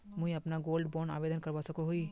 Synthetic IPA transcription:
mʊ̃ɦĩɐpnaɡoːlɖboːna̰ːbeːd̪ənkɐɾʋasɐkoɦoi

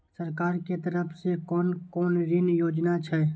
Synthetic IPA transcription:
səɾkaːɾket̪əɾəpʰsekɔːnkɔːnɾɪnjoːd͡ʒnat͡ʃʰɛ

